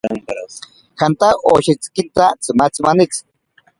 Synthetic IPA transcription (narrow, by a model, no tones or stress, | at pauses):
xant̪aʔoʃit͡skint̪at͡sɨmat͡sɨmanit͡s